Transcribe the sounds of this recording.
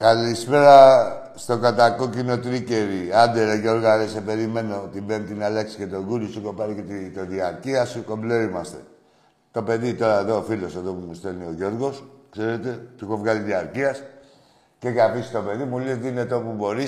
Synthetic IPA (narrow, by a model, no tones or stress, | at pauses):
kalispe̞ɾa | st̪o̞kat̪ako̞cino̞t̪ɾice̞ɾiand̪eɾeʝo̞ɾɣaðese̞pe̞ɾime̞no̞t̪imbent̪inaleksi̥ke̞t̪o̞ɣuɾist̪uko̞paɾiket̪it̪oðiaɾciasuko̞mbleɾimast̪e̞̰ | t̪o̞pe̞ðit̪o̞ɾaeðo̞ːfilo̞seðopumust̪elnioʝo̞ɾɣoskseɾet̪e̞t̪uxovɣaliðiaɾcias | cekapisi̥st̪o̞pe̞ðimulizt̪inet̪o̞pubo̞ɾi